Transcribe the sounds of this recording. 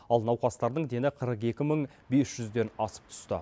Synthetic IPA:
ɑlˠnɑwqɑst̪ɑɾd̪əɴd̪e̞nɪqʰəɾəqe̞kʲɪməɴ | be̞sʒ̥ʏzd̪e̞nɑsə̥p̚t̪ʰʏ̥st̪ə̰

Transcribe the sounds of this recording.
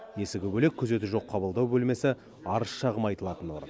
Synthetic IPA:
je̞sɪɡʲɪbɵle̞k̚ʲʰːʏze̞t̪ɪʒo̞qʰːɑbəlˠd̪ɑwbɵlme̞sɪ | ɑɾəsʃɑʁəmɑjt̪əlˠɑt̪ənwo̞̰ɾə̰n

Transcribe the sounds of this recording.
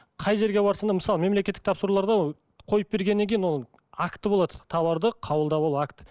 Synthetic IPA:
qʰɑjʒe̞ɾɡʲebɑɾsənd̪ɑməsɑlˠəme̞mlekʲe̞t̪ːɪkt̪ʰɑpsəɾulˠɑɾd̪ɑ | qʰo̞jəp̚be̞ɾɡʲe̞nːeŋkʲʰejɪnwon | akt̪ːəbo̞lˠɑd̪ət̪ʰɑβɑɾd̪əqʰɑwəlˠd̪ɑboakt̪

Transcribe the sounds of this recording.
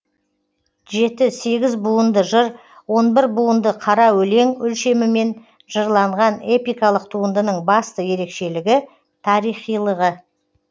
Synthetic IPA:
ʒe̞t̪ɪse̞ɡʲɪzbuənd̪əʒəɾ | wo̞nbɪɾbuənd̪əqʰɑɾɑwɵle̞ŋʏlʃe̞mɪme̞n | ʒ̥əɾlˠɑɴʁɑne̞pijkɑlˠəq̚t̪ʰuənd̪ənəɴbɑst̪əje̞ɾe̞kʃe̞lɪɡʲɪ | t̪ʰɑɾijχijlˠəʁə

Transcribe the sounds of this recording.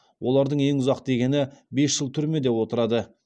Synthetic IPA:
wʔo̞lˠɑɾd̪əɴe̞ŋʊzɑqd̪e̞ɡʲe̞nɪbe̞sʒ̥əlˠt̪ʰʏɾme̞d̪e̞pwo̞t̪əɾɑd̪ə

